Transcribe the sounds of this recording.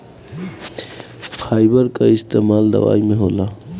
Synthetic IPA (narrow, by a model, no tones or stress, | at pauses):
pʰaːɪbəɾkaɪst̪eːmaːld̪ɐ̰ʋa̰ːimẽɦoːlaː